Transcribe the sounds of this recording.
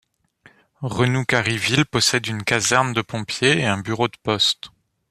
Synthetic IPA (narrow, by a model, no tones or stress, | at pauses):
ʁənukaʁivilpɔsɛd̪ynkazɛʁnd̪əpɔ̃pjeeɛ̃byʁod̪əpɔst̪